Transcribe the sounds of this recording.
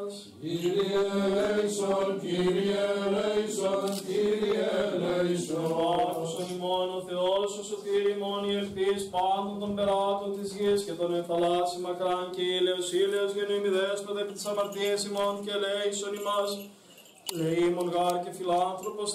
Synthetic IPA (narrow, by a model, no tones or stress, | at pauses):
s | ɾielejsonciɾielesonciɾielesosonimononθeolusosot̪iɾimoniefθispɐnd̪ont̪ombeɾɐt̪ont̪izʝiscet̪ɐmefɐlɐsimɐkɾɐnceileosileozʝeniomiðespɐt̪ɐepit̪i̥sɐmɐɾt̪iesimoncelejsonimɐs | leimoŋɣɐɾce̞filɐnθɾo̞pos